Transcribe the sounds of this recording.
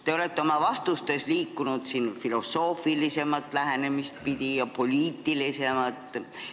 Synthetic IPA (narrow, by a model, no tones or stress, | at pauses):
t̪e̞o̞le̞t̪ːˑeo̞mɑvɑst̪ust̪e̞sliːkːunud̪̥siːnfilo̞sːo̞ːfilise̞mɑt̪ːˑlæɦene̞mist̪̚pid̪̥ʲijɑpo̞lʲiːt̪ːˑilise̞mɑt̪ːˑ